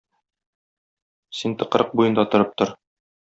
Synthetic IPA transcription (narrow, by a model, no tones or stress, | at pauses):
sint̪ɤ̆qɾʔɤq̚bujɤ̆nd̪ɑt̪ŏɾɤp̚t̪oɾ